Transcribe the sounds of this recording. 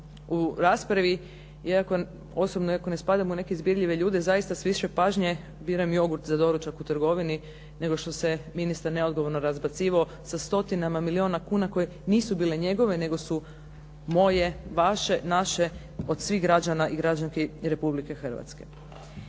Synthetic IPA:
uɾaːspɾaʋi | jaako | o̞sobnoiako̞ne̞spad̪amune̞keizbjiɾʎʲiʋe̞ʎuːd̪e̞zajist̪asʋiʃepaːʒɲe | biɾamjo̞ɡuɾt̪zad̪o̞ɾut͡ʃakut̪ɾɡo̞ʋini | ne̞ɡo̞ʃt̪o̞se̞minist̪aɾneod̪ɡoʋo̞ɾnoɾazbat̪siːʋao̞ | sast̪o̞t̪inamamilio̞ːnakuːnako̞je̞niːsubiːle̞ɲe̞ɡo̞ʋene̞ɡo̞su | mo̞je̞ʋaʃe̞naʃe | o̞d̪sʋiːɣɡɾad͡ʒanaʔiɡɾad͡ʒaŋkeɾe̞publike̞xər̩ʋa̰t̪skḛ

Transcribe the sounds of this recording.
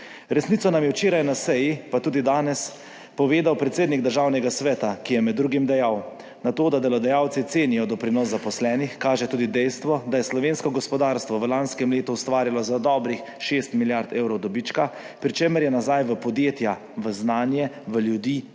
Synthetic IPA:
ɾɛsnit̪sɔnamjɛwt͡ʃeːɾajnasɛjipat̪uːd̪id̪aːnɛs | pɔʋeːd̪awpɾɛt̪seːd̪niɡ̚d̪əɾʒaːwnɛɡasʋɛːt̪akijɛmɛd̪ːɾuːɡimd̪ɛjaw | nat̪oːd̪ad̪ɛlɔd̪ɛjaːwt̪sit̪seːnijɔd̪ɔpɾinɔsːapɔslɛːnixkaːʒɛt̪uːd̪id̪ɛjst̪ʋɔd̪ajɛslɔʋeːnskɔɡɔspɔd̪aːɾst̪ʋɔʋəlanskɛmleːt̪uwst̪ʋaːɾilɔzad̪ɔːbɾix | ʃeːst̪miljaɾt̪ewɾɔwd̪ɔbit͡ʃka | pɾit͡ʃeməɾjɛnazajʋəpɔd̪jeːt̪ja | ʋəznaːnjɛʋəljud̪iː

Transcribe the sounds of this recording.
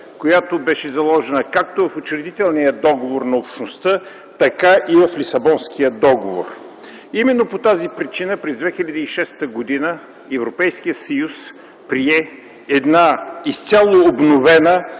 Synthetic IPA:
kojat̪obɛʃɛzɐlˠɔʒɛnəkak̚t̪ovɐfot͡ʃɾɛd̪it̪ɛlˠnijəd̪ɔɡovoɾnɐopʃnost̪ə | t̪ɐkaʔivɐflisɐbɔnsk̟ijəd̪ɔɡovo̰r | imɛnːopot̪azipɾit͡ʃinəpɾɛzd̪vɛxilʲɐd̪əiʃɛst̪əɡod̪inə | ɛvɾopɛjsk̟ijət̪sɐjus | pɾiɛ | ɛd̪naist̪sʲalˠoːbnovɛnə

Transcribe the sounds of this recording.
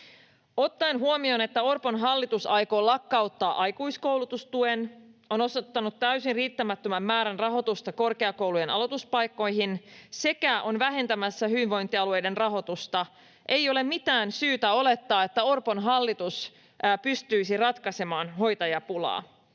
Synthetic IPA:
ot̪ːɑenɦuomio̞ne̞t̪ːæorpo̞nɦɑlːit̪usɑjko̞ːlɑkːɑut̪ːɑːʔɑjkujsko̞wlut̪ust̪ueno̞no̞sot̪ːɑnut̪ːæysinriːt̪ːæmæt̪ːømæmːæːɾænrɑɦo̞t̪ust̪ɑko̞rkeɑko̞wlujenɑ̰lot̪uspɑjkːo̞jɦinse̞kæʔo̞nʋæɦe̞nt̪æmæsːæhyʋiʋʋo̞jnt̪ːiɑluejde̞nrɑɦo̞t̪ust̪ɑ | ʔe̞jo̞le̞mmit̪æːnsyːt̪æo̞le̞t̪ːɑːe̞t̪ːæo̞rpo̞nɦɑlːit̪us | pyst̪yisirɑt̪kɑse̞mɑːnɦo̞jt̪ɑjɑpulɑ̰ː

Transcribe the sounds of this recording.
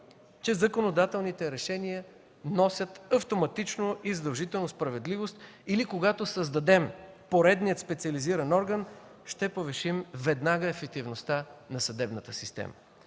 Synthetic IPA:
t͡ʃɛzɐkonod̪at̪ɛlˠnit̪ɛɾɛʃɛniə | nɔsʲət̪ɐft̪omɐt̪it͡ʃnoʔizəd̪ɐlˠʒit̪ɛlˠnospɾɐvɛd̪livost̪ | ilikoɡat̪osəzd̪ɐd̪ɛm | poɾɛd̪niət̪spɛt̪siɐliziɾɐnɔɾɡən | ʃt̪ɛpovɛʃimvɛd̪naɡəɛfɛk̚t̪ivnost̪anɐsɐd̪ɛbnət̪əsist̪ɛ̰mə̰

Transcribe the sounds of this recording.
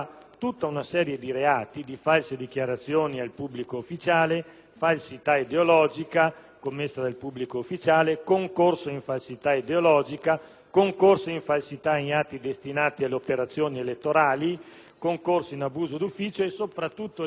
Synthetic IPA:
t̪ut̪ːaunasɛːɾjed̪iɾeaːt̪id̪ifalsed̪ikjaɾat̪sːjoːnialpubːlikoufːit͡ʃaːle | falsit̪aid̪eolɔːd͡ʒikakomːesːad̪elpubːlikoufːit͡ʃaːlekoŋkorsoiɱfalsit̪aid̪eolɔːd͡ʒika | koŋkorsoiɱfalsit̪ainat̪ːid̪est̪inaːt̪ialːeopeɾat̪sːjoːnielet̪ːoɾaːli | koŋkorsoinabuːzod̪ufːiːt͡ʃoesopɾat̪ːut̪ːo

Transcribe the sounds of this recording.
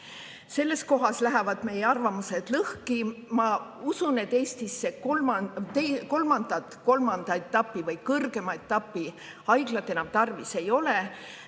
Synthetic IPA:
se̞lːe̞sko̞ɦɑslæɦævɑd̪̥me̞jeɑrvɑmuse̞d̪̥lɤhkimɑusune̞t̪ːe̞ːst̪isːekt̪eko̞lmɑnd̪̥ɑt̪ˑko̞lmɑnd̪̥ɑe̞t̪ːˑɑpːˑivɤjkɤrɡ̥e̞mɑe̞t̪ːˑɑpːˑi | ɑjɡ̥lɑt̪ːˑe̞nɑmt̪ɑrvise̞jo̞le̞

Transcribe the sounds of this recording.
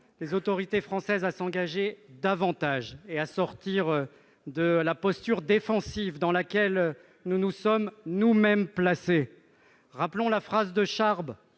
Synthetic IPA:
lezot̪ɔʁit̪efχɑ̃sɛzasɑ̃ɡaʒed̪avɑ̃t̪aʒeasɔʁt̪iʁ | d̪əlapɔst̪yʁd̪efɑ̃sivd̪ɑ̃lakʲɛl | nunusɔmnumɛmplase | ʁaplɔ̃lafχazd̪əʃaʁb

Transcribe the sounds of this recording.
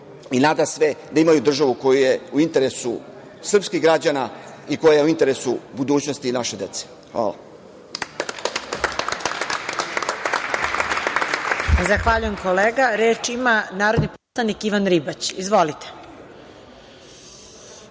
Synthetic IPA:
inaːd̪asʋed̪aimajud̪r̩ʒaʋuko̞jujeuint̪e̞ɾesu | sr̩pskiɣɡɾad͡ʑana | ikojaajeuint̪e̞ɾesubud̪uːt͡ɕnost̪inaʃe̞d̪e̞t̪se̥ | xʋa̰ːla̰ | zaxʋaʎuje̞mko̞leːɡaɾeːt͡ʃimanaːɾo̞d̪niposlˠanikiʋanɾibat͡ɕizʋo̞lit̪e̥

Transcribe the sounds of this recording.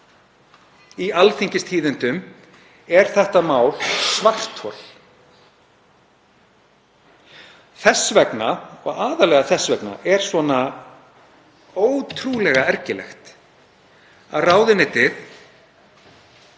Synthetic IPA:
ialθiɲcɪst̪ʰiːðɪnt̪ʏm | ɛɾ̥θɛht̪amaːwlsvar̥t̪hɔl̥ | θɛsvɛknaɔɣaːðalɛɣaθɛsvɛkna̰ʔɛɾ̥svɔna | oːwt̪ʰɾuːlɛɣaɛɾcɪlɛ̰xt̪ | a̰ðraːwðɪnɪt̪ɪθ

